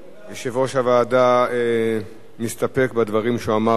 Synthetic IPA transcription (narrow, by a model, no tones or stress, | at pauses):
jeʃevoʃavaːdae | mist̪apekbad̪vaʁimʃuama